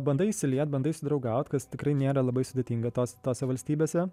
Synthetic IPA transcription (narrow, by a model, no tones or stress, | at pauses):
bɐnd̪ɐɪiʃsʲɪlʲiɛt̪̚bɐnd̪ɐɪsʲʊd̪ɾɐʊɡɐʊt̪kɐst̪ʲɪkɾɐɪnʲeːɾɐlˠɐbɐɪsʊd̪ʲeːt̪ʲiːŋɡɐt̪oːsʲt̪oːsʲɛʋɐlʲsʲt̪ʲiːbʲeːsʲɛ